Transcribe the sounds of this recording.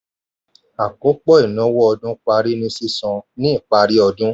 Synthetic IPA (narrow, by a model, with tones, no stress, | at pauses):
a˨ko˨˦k͡pɔ˦i˦˨nɔ̃˨˦wɔ˦ɔ˧dũ˦k͡pa˧ɾi˦nĩ˧si˦sɔ̃˧nĩ˦i˦˨k͡pa˧ɾi˦ɔ˧dũ˦